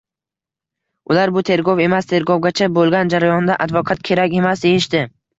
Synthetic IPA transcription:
ʊlaɾbʊt̪ʰe̞ɾɡɒwe̞mast̪ʰe̞ɾɡɒwɡʲat͡ʃʰabolˠɡʲand͡ʒaɾajɒnd̪aʔad̪vɒqʰat̪̚kʲʰe̞ɾakʲe̞masd̪ejɪʃd̪ɪ

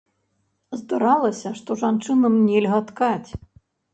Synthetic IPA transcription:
zd̪aɾalˠɐsʲɐʂt̪ɔʐant͡ʂɨnɐmnʲɛlʲɣɐt̪kat͡sʲ

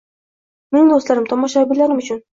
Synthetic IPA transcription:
menɪŋd̪ost̪laɾɪmt̪ʰɒmɒʃabɪlaɾɪmʊt͡ʃʰʊn

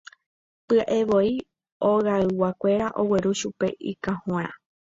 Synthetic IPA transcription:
pɨaʔe̞ʋo̞i | oɣaɨwakʷe̞ɾaʔo̞we̞ɾuʃupe̞̰ʔḭkãhõa

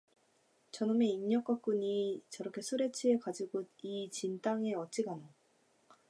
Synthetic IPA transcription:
t͡ɕʌnɯme̞iɲɲːʌk͈ak̚k͈uɲit͡ɕʌɾʌkʰe̞sʰuɾe̞t͡ɕʰie̞kad͡ʑiɡud̚it͡ɕint͈aŋe̞ʌt͡ɕ͈iɡana

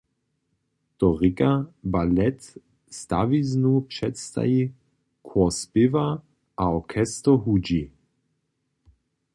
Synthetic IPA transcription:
t̪ɔʁɪkʼabalɛt̪ | st̪a̰viznupʂɛt̪st̪a̰ji | kʰwɔspɪva | ʔaɔkʰɛst̪ɔɦud͡ʒi

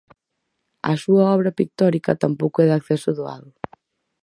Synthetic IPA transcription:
ɐ̰suɐɔβ̞ɾɐpik̚t̪ɔɾikɐt̪ampowkoɛðakθɛsʊðoa̰ðʊ

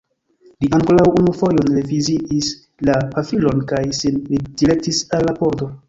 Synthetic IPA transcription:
liʔaŋko̞lawunufo̞jo̞nleviziʔis | lapafilo̞nkajsinlid̥iɾe̞k̚tisalːapo̞ɾdo̞

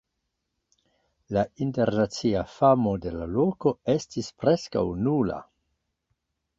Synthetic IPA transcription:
lainte̞ɾnat͡siafamo̞de̞lalo̞ko̞e̞stispɾe̞ska̰wnula̰

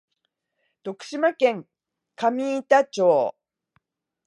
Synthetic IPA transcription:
d̪̥o̞kɯ̟̥ɕimakẽ̞ŋ | kamʲiːt̪at͡ɕo̞ː

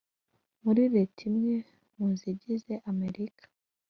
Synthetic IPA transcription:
muɾiɾetʰimɲe | munziɟize̞ʔame̞ɾikʰḁ

